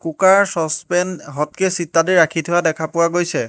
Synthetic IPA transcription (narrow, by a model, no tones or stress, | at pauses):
kukaɹsɔspɛnɦɔt̚kesitːadiɹakʰitʰʊadɛkʰapʊwaɡojsɛ